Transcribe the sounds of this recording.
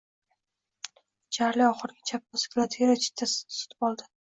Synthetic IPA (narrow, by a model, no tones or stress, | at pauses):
t͡ʃʰaɾlɪɒχɨɾɡʲat͡ʃʰap̚pasɪ̥kʲlˠat̪ʰeɾat͡ʃʰɪ̥t̪ʰːassʊ̥t̪ʰɪ̥bɒlˠd̪ɪ̥